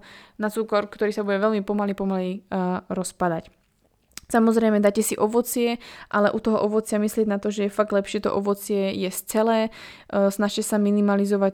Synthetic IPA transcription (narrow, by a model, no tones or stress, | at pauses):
nat͡suːkɔɾkt̪ɔɾiːsabuɟɛʋɛlmipɔmalipɔmaliɾɔspad̪ac | samɔzɾɛjmɛd̪acɛsiʔɔʋɔt͡sɪɛʔalɛʔut̪ɔɦɔ̰ʔɔʋɔt͡sɪamislɪɛɟnat̪ɔʒɛjɛfaɡ̚d̪lɛpʃɪɛt̪ɔ̰ʔɔʋɔt͡sɪɛjɛst͡sɛlɛː | snaʃcɛsaminimalizɔʋa